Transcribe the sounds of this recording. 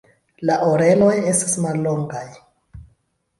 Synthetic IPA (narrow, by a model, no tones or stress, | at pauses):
laʔoɾeloje̞stḁsmalːoŋɡaj